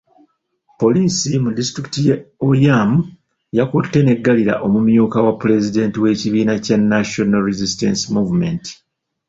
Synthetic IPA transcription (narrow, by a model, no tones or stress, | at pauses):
po̞liːsimudistɾiktijeojamu | jakutːe̞ne̞ɡːaliɾa̰ʔo̞mumjuːkawapːuɾe̞zide̞ːntiwe̞ːciβiːnacanːaʃonaɾizistḛnsimuːvume̞nti̥